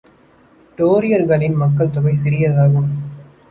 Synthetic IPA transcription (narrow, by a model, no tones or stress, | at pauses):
ʈoːɾɪjɐɾɣɐɭɪnmɐkːɐɭt̪ʊɣɐɪsɪɾɪjɐðaːɣɯm